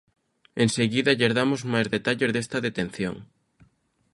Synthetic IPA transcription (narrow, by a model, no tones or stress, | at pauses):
eŋseɣiðɐʎeɾðamʊzmajzðet̪aʎeɾðest̪ɐðet̪ẽn̟θjo̰ŋ